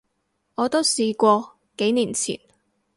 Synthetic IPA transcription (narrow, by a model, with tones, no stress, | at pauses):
ʔɔː˨˧t̪o˥wsiː˧kʷɔː˧ | ke˨˥jniː˨˩nt͡sʰḭː˨˩n